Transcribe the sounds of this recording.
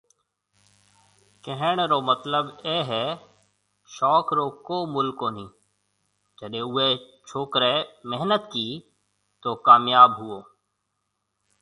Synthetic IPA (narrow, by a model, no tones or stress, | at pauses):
kɛɦəɳ̃ɾoːmət̪ləbeːɦɛː | ʃɔːkɾoːkoːmʊlkoːnĩː | d͡ʒəɗẽːʊeː | t͡ʃʰoːkɾeːmɛɦnət̪kiː | t̪oːkaːmjaːbɦʊoː